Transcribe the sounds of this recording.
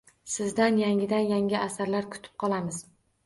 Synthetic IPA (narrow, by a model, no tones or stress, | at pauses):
sɪzd̪anjaŋʲɪd̪anjaŋʲɪʔasaɾlaɾkʰʊ̥t̪ʰɪ̥p̚qʰɒlˠamɪz̥